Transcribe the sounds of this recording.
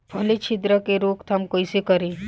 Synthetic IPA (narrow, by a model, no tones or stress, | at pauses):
bʱɐlet͡ʃʰɪd̪ɾəkeɾoːkt̪ɐmkoisekɐɾe